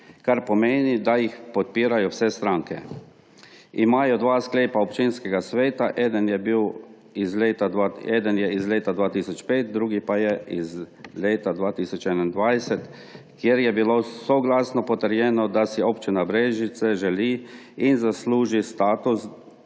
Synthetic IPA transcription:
kaɾpɔmeːnid̪ajixpɔt̪̚piːɾajɔwsɛst̪ɾaːŋkɛ | imaːjɔd̪ʋaːskleːpaɔpt͡ʃinskɛɡasʋeːt̪aʔɛːd̪ənjɛbiw | izleːt̪aaɛːd̪ənjɛizleːt̪ad̪ʋaːt̪iːsɔt͡ʃpeːt̪̚d̪ɾuːɡipajɛizleːt̪ad̪ʋaːt̪iːsɔt͡ʃɛnand̪ʋajsɛt̪ | kjɛɾjɛbilosɔɡlaːsnɔpɔt̪əɾjɛːnɔd̪asiopt͡ʃinabɾeːʒit̪sɛʒɛliː | inzasluːʒist̪aːt̪us

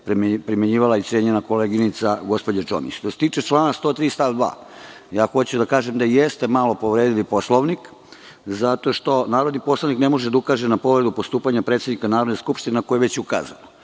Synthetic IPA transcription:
pɾmpɾimeɲiːʋalait̪sʲjeɲenakoleɡinit̪saɡo̞spo̞d͡ʑet͡ʃo̞̰mḭt͡ɕʃt̪oset̪iːt͡ʃet͡ʃlˠaːnast̪o̞ːt̪ɾiːst̪aʋd̪ʋa̰ː | jaːxo̞t͡ɕud̪akaːʒemd̪ajest̪emalo̞po̞ʋɾeːd̪ilipo̞slˠoʋnik | zat̪o̞ʃt̪o̞naːɾod̪nipo̞slaʋniknemo̞ʒed̪aukaːʒenapo̞ʋɾed̪upo̞st̪uːpaɲapɾet̪senikanaːɾod̪neskupʃt̪inenko̞jeʋe̞t͡ɕjeuka̰ːza̰no

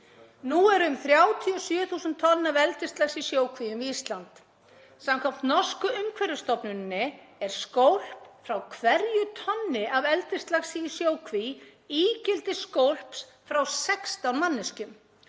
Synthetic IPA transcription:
nuɛɾʏmθɾjaːwt̪ʰiɔsjʏːθuːsʏnt̪ʰːɔlɪnavɛlt̪ɪst̪lasisjoːwkʰvijʏmviist̪lant̪ | samkʰam̥t̪nɔ̥skʏʏmkʰvɛɾjʏst̪ɔpnʏnːɪ | ɛɾ̥skowl̥pfɾawkʰvɛɾjʏt̪ʰœnːɪavɛlt̪ɪst̪laxsiːsjoːwkʰviiːcɪlt̪ɪskowl̥ps | fɾawsɛkst̪awnmanːɪscʏm

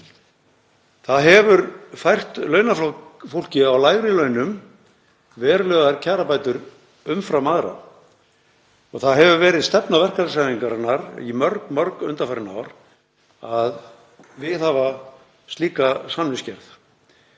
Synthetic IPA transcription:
θaðɦɛvʏɾfajr̥t̪lœːɥnaflɔfowl̥cɪawlaːjɣɾɪlœɥnʏm | vɛːɾlœːɣaɾcʰaːɾapajt̪ʏɾ | ʏmfɾawmaːðɾa̰ | ɔɣθaðɦɛvʏvɛːɾɪðst̪ɛpnavɛr̥kaɾsajviŋkaɾnːaɾḭmœɾk̪mœɾkʏ̰nt̪afaɾɪna̰wɾ | að | vɪðhava | st̪liːkasannɪscɛɾθ

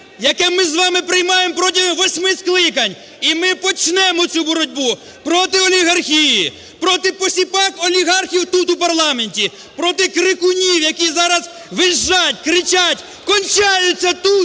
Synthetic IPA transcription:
jɐkɛmɪzʋɑmɪpɾɪjmɑjempɾɔtʲiɦʋɔsʲmɪsklˠɪkɐnʲ | imɪpɔt͡ʃnɛmɔt͡sʲubɔɾɔdʲbu | pɾɔt̪ɪɔlʲiɦɐrxʲiji | pɾɔt̪ɪpɔsʲipɑkɔlʲiɦɑrxʲiwt̪ut̪upɐrlˠɑme̞nʲtʲi | pɾɔt̪ɪkɾɪkʊnʲiwjɐkʲizɑɾɐz | ʋɪʒːatʲkɾɪt͡ʃatʲ | kɔnʲt͡ʃɑjʊt͡sʲːɐt̪u

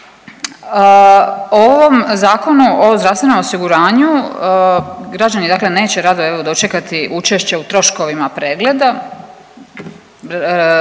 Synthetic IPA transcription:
oʋomzaːko̞nuʔo̞zd̪ɾaʋsʋeno̞mosiɡuɾaːɲu | ɡɾad͡ʑanid̪aːkle̞ne̞ːt͡ɕe̞ɾad̪oeʋod̪o̞t͡ʃe̞kat̪iʔut͡ʃeʃt͡ɕeut̪ɾo̞ʃko̞ʋimapɾe̞ːɡle̞d̪a

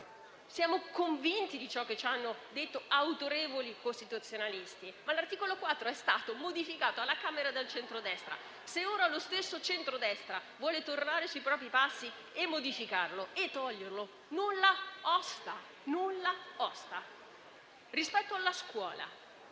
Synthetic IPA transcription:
sjaːmokoɱvint̪id̪it͡ʃɔkːet͡ʃːanːod̪et̪ːoawt̪oɾeːvolikost̪it̪ut̪sːjonalist̪imalart̪iːkolokwat̪ːɾoɛst̪aːt̪omod̪ifikaːt̪oalːakaːmeɾad̪elt͡ʃɛnt̪ɾod̪ɛst̪ɾa̰ | seoːɾalost̪esːot͡ʃɛnt̪ɾod̪ɛst̪ɾavwɔːlet̪ornaːɾesuipɾɔːp̬ɾipasːi | emːod̪ifikarloet̪ːɔʎːerlo | nulːaɔst̪a | nulːaɔst̪a | rispɛt̪ːoalːaskwɔːla̰

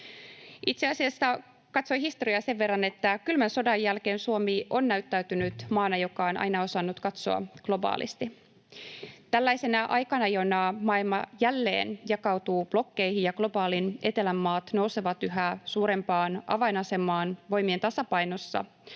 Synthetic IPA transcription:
it̪seɑsiɑsːɑ | kɑt̪so̞jɦist̪o̞ɾiɑse̞ʋːe̞rːɑne̞t̪ːækylmænso̞dɑjːælke̞ːnsuo̞miʔo̞nːæyt̪ːæyt̪ynyt̪mɑːnɑjo̞kɑonʔɑ̰jnɑo̞sɑnːut̪kɑt̪so̰ɑ̰ɡ̥lo̞bɑ̰ːlḭst̪i | t̪ælːæjse̞nɑʔɑjkɑnɑjonɑmɑːilmɑjælːe̞̰ːnjɑkɑwt̪uːb̥lo̞kːe̞jhijjɑɡ̥lo̞bɑːline̞t̪e̞læmːɑːt̪no̞wseʋɑt̪yɦæsuːɾe̞mpɑːnʔɑ̰ʋɑinɑse̞mːɑːnʋo̞jmie̞nt̪ɑsɑpɑjno̞sːɑ̰

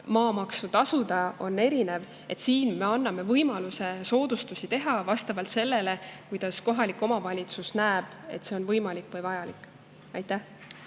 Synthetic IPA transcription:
mɑːmɑksut̪ɑsud̪ɑo̞nːe̞ɾine̞v | e̞t̪siːnme̞ɑnːɑme̞vɤjmɑluse̞so̞ːd̪̥ust̪usit̪e̞ɦɑvɑst̪ɑvɑlt̪se̞lːe̞le̞kujd̪̥ɑsko̞ɦɑlikːˑo̞mɑvɑlʲit̪susnæːb̥e̞̰t̪se̞o̞nvɤjmɑlikːvɤjvɑjɑlikːˑ | ɑjt̪ːˑæh

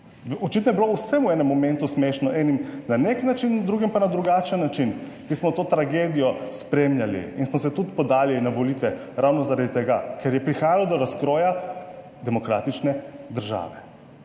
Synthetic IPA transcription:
bɔt͡ʃit̪nɔjɛbilousɛmuɛːnɛmːɔmɛ̃nt̪usmeʃnɔʔɛnimnaneknat͡ʃind̪ɾuːɡimpanad̪ɾuɡaːt͡ʃənːat͡ʃin | kismɔt̪oːt̪ɾaɡeːd̪ijɔspɾemlʲjalḭinsmɔsɛt̪ut̪pɔd̪aːlilinaʋoliːt̪ʋɛ | ɾawnɔzaɾad̪it̪ɛɡakɛɾjɛpɾixaːjalɔd̪ɔɾaskɾoːja | d̪ɛmɔkɾa̰ːt̪it͡ʃnɛd̪əɾʒa̰ːʋɛ

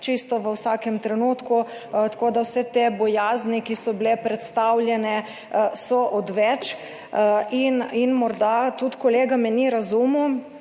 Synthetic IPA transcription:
t͡ʃist̪ɔʋəwsaːkɛmt̪ɾɛnuːt̪ku | t̪ḁkod̪awsɛt̪ebɔjaːznikisɔbilɛpɾɛt̪st̪awlʲjɛnɛ | sɔʔɔd̪ʋɛt͡ʃ | ininmɔɾd̪at̪ut̪koleːɡamɛniɾazumu

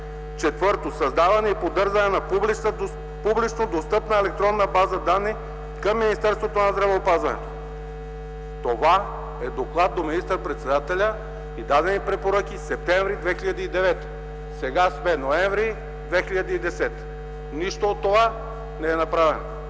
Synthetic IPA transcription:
t͡ʃɛt̪vɤɾt̪osɐzd̪avɐnɛipod̪ɤɾzɐnɛnɐbl | publit͡ʃnod̪ost̪ɤpnəɛlɛk̚t̪ɾɔnːəbazəd̪anːi | kəmːinist̪ɛɾst̪vot̪onɐzd̪ɾɐvɛopazvɐnɛ̰t̪o̥ | t̪ova | ɛd̪oklˠat̪̚d̪ominist̪əɾpɾɛt̪sɛd̪at̪ɛlʲə | id̪ad̪ɛnipɾɛpoɾək̟ʲisɛp̚t̪ɛ̃ɱvɾid̪vɛxiʎɐd̪iid̪ɛvɛt̪ə̥ | sɛɡaspɛnoɛɱvɾi | d̪vɛxiʎʲɐd̪iiːd̪ɛsɛt̪ə̥ | niʃt̪oot̪ːova | nɛɛnɐpɾavɛno

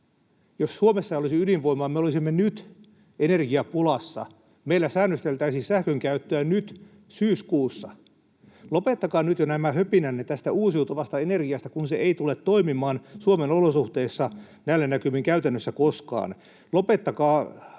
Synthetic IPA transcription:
jossuomesːɑolisiyliʋʋoimˑoɑmeolisimːenyt̪ | enerɡiɑpulɑsːɑ̰ | meilːæsæːnːøst̪elt̪æisisæhkøŋkæyt̪ːøænyt̪ | syːskuːsːɑ | lopet̪ːɑkɑːnyt̪jonæmæhøpinænːet̪æst̪æuːsiut̪oʋɑst̪ɑenerɡiɑst̪ækunseeit̪ulet̪t̪oimimɑːnsuomenolosuht̪eːsːɑ | næilːænækymiŋkæyt̪ænːøsːækoskɑ̰ːn | lopet̪ːɑkɑː

